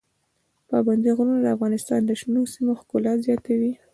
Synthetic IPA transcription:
pɑband̪iɣɾunad̪əafɣɑnɪst̪ɑnd̪əʃnosimoxkʊlat̪zjɑt̪awi

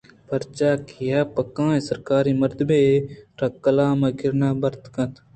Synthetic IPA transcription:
pɐɾt͡ʃaːkʰijaːpɐkãːẽsɐɾkaːɾiːmɐɾt̪beːɾɐkːɐlaːmɐkɪɾnaːbɐɾt̪kɐ̃t̪ʰ

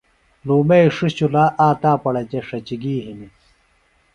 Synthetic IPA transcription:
luːmeiʂiɕulaːʔaːt̪aːpɐɽɐt͡ɕeʂɐt͡ɕiɡiːɦini

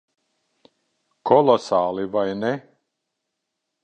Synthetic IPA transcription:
kʰɔlˠɔsaːlˠivajnɛ

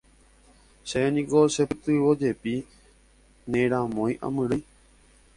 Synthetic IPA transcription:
senĩɡosepɨt̪ɨʋod͡ʒepi | nẽɾ̃ãmõj̃ʔã̰mɨ̃ɾɨj

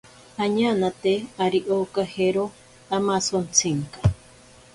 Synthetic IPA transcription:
aɲanat̪eaɾiʔokaheɾo | amasont͡sʰiŋkḁ

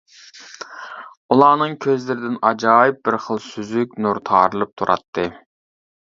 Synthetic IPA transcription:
ulˠɑːnɨŋkʲʰøzlɪɾɪd̪ɪnɑd͡ʒɑːjip̚bɪɾχəlˠsyzykʲnuɾt̪ʰɑ̰ːɾɨlˠɨp̚t̪ʰuɾʔɑ̰t̪ʰːɨ

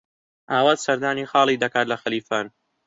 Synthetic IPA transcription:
ʔaːwaːt̪sɐɾd̪aːniːxɑːlˠid̪ɐkaːt̪lɐxɐliːfaːn

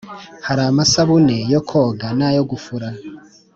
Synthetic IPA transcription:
haɾamasaβunejokʰoɡanajoɡufuɾa

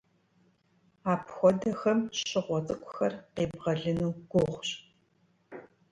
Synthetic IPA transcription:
aːpʰxʷɔdɐxɐmɕɪʁʷɔt͡sʼɨkʷʰʼʊxɐrqeːbʁɐɮɨnuːɡ̥ʷoʁʷɕ

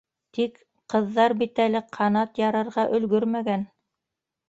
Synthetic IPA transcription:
t̪ik | qɤ̆ðːɑɾbit̪ælɘqʰɑnɑt̪jɑɾɤ̆ɾʁɑʔɵ̆lɡɵɾmæɡæn

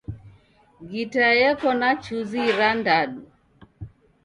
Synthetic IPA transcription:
ɡitajɛkɔnat͡ʃuziɾandaɗu

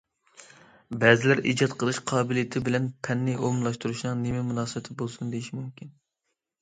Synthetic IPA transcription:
bɛzɪlæɾḭd͡ʒɑt̪qʰəlˠɨʃqʰɑːbɪlijɪt̪ʰɪbɪlɛnpʰɛnːɪʔomlˠɑʃt̪uɾuʃnɨŋnemɛmunɑːsɨbɛt̪ʰɪbolˠsund̪ejiʃmumkʲin

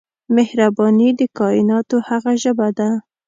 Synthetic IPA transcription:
mehɾabɑnid̪əkɑɪnɑt̪ohaɣaʒəbad̪a

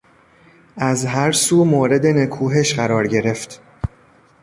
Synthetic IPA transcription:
ʔæzɦæɾsuːmoːɾe̞d̪enekʰuːɦeʃɢæɾɒːɾɟe̞ɾe̞ft̪

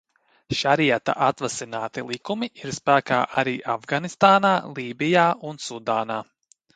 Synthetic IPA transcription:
ʃaɾiɛt̪a̰ʔat̪vasinaːt̪ilˠikumiʔiɾspæːka̰ːʔaɾiːʔavɡanist̪aːnaːlˠiːbijaːʔunsud̪aːnaː

